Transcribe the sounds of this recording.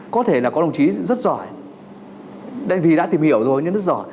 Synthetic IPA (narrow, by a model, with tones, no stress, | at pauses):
kɔ˨˦t̪ʰe˧˩laː˨˩kɔ˨˦ə˧wŋ͡mt͡ɕi˨˦zə˦˥t̚zɔ˧˩˨j | ɗa̰˧˨ŋvi˨˩ɗa̰ː˧˥t̪i˨˩mhi˧˨əwzo˨˩jɲɨ̰˧˥zt̚zɔ˧˩j